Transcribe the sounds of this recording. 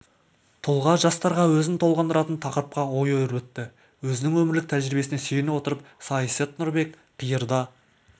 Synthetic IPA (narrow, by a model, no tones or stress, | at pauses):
t̪ʰʊlˠʁɑʒɑst̪ɑɾʁɑwɵzɪnt̪ʰo̞lˠʁɑnd̪əɾɑt̪ənt̪ʰɑqəɾəp̚qɑwo̞jojəɾwɵt̪ːɪ | wɵzɪnɪŋwɵmɪɾlɪk̚t̪ʰæʒɾibe̞sɪne̞sejɪnɪwo̞t̪əɾəpsɑjset̪nʊɾbe̞k | qʰijəɾd̪ɑ